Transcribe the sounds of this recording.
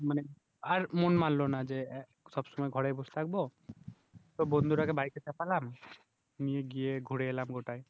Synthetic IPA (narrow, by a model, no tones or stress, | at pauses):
mane | aɾmonmanlonad͡ʒe | ʃɔbʃɔmɔjɡʱɔɽejbost̪ʰak̚bo | t̪obond̪ʱuɾakebajket͡ʃɛpalam | nijeɡijeɡʱuɽeelamɡoʈaj